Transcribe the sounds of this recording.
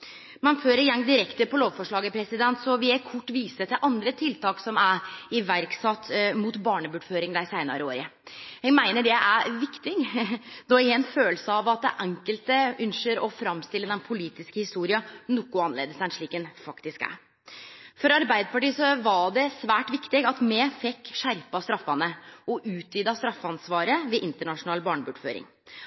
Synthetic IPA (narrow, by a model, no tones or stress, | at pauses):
mɑnføːɾəɾjɛŋːd̪ɪɾɛkt̪əpʰɔloːʋfɔʂɭɑːɡəpʰɾɛsɪd̪ɛnt̪sɔʋɪɛkʰɔʈːʋiːsət̪ɪlʔɑnd̪ɾət̪ʰɪlt̪ɑːksɔmæɾɪʋæɾksɑt̪ːmuːt̪bɑːɳəbuːɖføːɾɪŋd̪æɪsæɪnɑ̰ɾəoːɾəhɛɡmæɪnəɖɛʔæʋɪkt̪ɪŋnɔɛnføːləsəɑʋɑt̪̚d̪ɛ̰ʔɛŋkəlt̪əʔʉnʂəɾɔfɾɑmːst̪ɪlːəd̪ɛnpʰʊliːt̪ɪskəhɪst̪uːɾɪɑnɔkːʊɑnlḛːd̪əsɛnʂɭiːkɛnfɑkt̪ɪskæ̰ɾ | fɔɾɑɾbæɪd̪əpɑʈiːsɔʋɑɖɛsʋæːʈʋɪkt̪ɪɡɑt̪mɛfɛkːʂæɾpɑst̪ɾɑfːɑnəɔʔʉːt̪ʰʋyːd̪ɑst̪ɾɑfːəɑnsʋɑːɾəʋɪʔɪnt̪əɳɑʂʊnɑːlbɑːɳəbʉːɖføːɾɪ̰ŋ